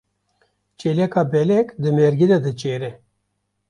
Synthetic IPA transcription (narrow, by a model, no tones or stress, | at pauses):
t͡ʃeːlɛkɑːbɛlɛkd̪ɨmeɾɡid̪ɛd̪ɨt͡ʃeːɾɛ